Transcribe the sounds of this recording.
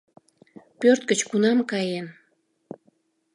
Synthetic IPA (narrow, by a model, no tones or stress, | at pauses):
pørt̪̚kət͡ɕkunɑmkɑjen